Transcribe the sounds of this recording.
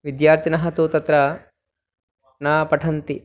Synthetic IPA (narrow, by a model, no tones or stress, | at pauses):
ʋid̪jaːɾt̪ʰinɐɦɐt̪uːt̪ɐt̪ɾɐ | naːpɐʈʰɐnt̪i